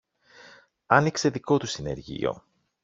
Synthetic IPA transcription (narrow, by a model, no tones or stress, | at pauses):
ɐnikse̞ðiko̞t̪usine̞̰ɾʝḭo̰